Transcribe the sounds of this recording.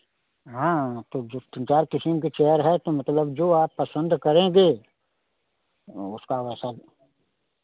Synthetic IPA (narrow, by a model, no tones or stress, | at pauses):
ɦãːt̪od͡ʒoːsə̃nt͡ʃaːɾkɪsimket͡ʃɛɦəɾɦɛt̪omɐt̪ləbd͡ʒoːaːpːɐsə̃nd̪kɐɾẽɡe | ʊskaʋɛːsa